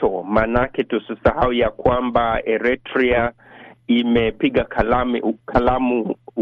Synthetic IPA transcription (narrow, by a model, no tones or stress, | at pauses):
ɔmanakɛtusisahawujakwambaɛɾɛtɾia | imɛpiɠakʰalamkʰalamu